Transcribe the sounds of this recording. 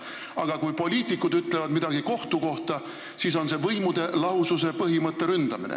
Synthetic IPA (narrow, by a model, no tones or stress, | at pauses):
ɑɡ̥ɑkujpo̞lʲiːt̪ːˑikːˑud̪yt̪ːˑle̞vɑd̪mid̪̥ɑɡiko̞ht̪uko̞ht̪ɑ | sis̬o̞nse̞vɤjmud̪̥e̞lɑususe̞pɤɦimɤt̪ˑːe̞ɾynd̪̥ɑmḭnḛ